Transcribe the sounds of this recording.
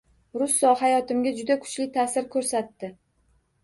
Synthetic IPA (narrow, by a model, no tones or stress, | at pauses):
ɾʊsːɒhajɒt̪ɪmɡʲad͡ʒʊd̪akʰʊ̥t͡ʃlɪt̪ʰaːsɪɾkʰɵɾsat̪ːɪ